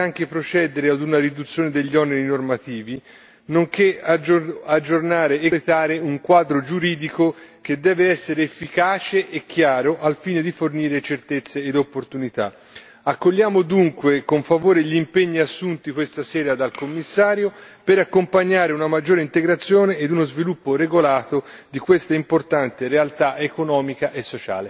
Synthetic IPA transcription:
aŋk̟epɾot͡ʃɛd̪eɾead̪unaɾid̪ut̪sːjoːned̪eʎːiɔneɾinormat̪iːvi | noŋkeaad͡ʒːornaːɾeelet̪aːɾeuŋkwaːd̪ɾod͡ʒuɾiːd̪ikoked̪ːɛːveɛsːeɾeːfːikaːt͡ʃeʔːk̟ːjaːɾoʔalfiːned̪iforniːɾet͡ʃert̪et̪sːeːd̪opːort̪unit̪a̰ | akːoʎːaːmod̪uŋkwekoɱfavoːɾeʎːimpeɲːiasːunt̪ikwest̪asɛːɾad̪alkomːisːaːɾjopeɾakːompaɲːaːɾeunamad͡ʒːoːɾeint̪eɡɾat̪sːjoːneːd̪unozvilupːoɾeɡolaːt̪od̪ikwest̪aimport̪ant̪eɾealt̪aʔekonɔːmikaʔesːot͡ʃa̰ːle

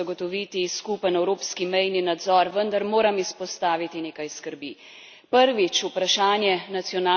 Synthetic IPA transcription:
aɡɔt̪ɔʋiːt̪iskupənɛwɾoːpskimɛjninad̪zɔɾʋənd̪aɾmoːɾamispɔst̪aːʋit̪ineːkajskəɾbi | pəɾʋit͡ʃupɾaʃaːnjɛnat̪sjɔnaː

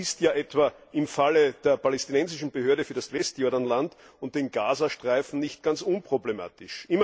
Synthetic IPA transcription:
ɪstjaːʔɛtv̥aʔɪmfaləd̥eːɐpalɛstinɛnzɪʃn̩bəhøɐɾəfyːɐdasvɛstjoɐdanlant | ʊnt̚d̥eːnɡaːzaʃtʁ̥aɪfn̩nɪçt̚ɡ̥ant͡sʔʊnpʁ̥oblema̰ːtɪʃʔɪmɐ

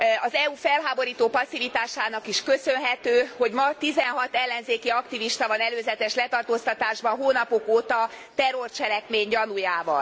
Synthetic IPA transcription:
ɒzɛufɛlɦaːbo̞ɾiːt̪oːpɒsːivit̪aːʃaːnɒkiʃkø̞sø̞nɦɛt̪øːho̞ɟmɒt̪izɛnɦɒt̪ɛlːɛnzeːkiɒkt̪iviʃt̪ɒvɒnɛløːzɛt̪ɛʃlɛt̪ɒrt̪oːst̪ɒt̪aːʒbɒɦoːnɒpokoːt̪ɒ | t̪ɛrort͡ʃɛlɛkmeːɲɟɒnujaːvɒ̰l

